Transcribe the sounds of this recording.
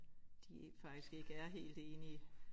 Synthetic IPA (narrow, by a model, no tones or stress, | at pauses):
d̥ifɑ̈ɡ̥d̥isɡ̥e̝ɡ̥əæɐɦe̝̰ːld̥e̝ːni